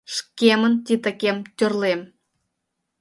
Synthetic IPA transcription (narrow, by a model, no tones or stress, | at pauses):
ʃkʲemə̆nt̪ʲit̪ə̆kʲemt̪ʲørlem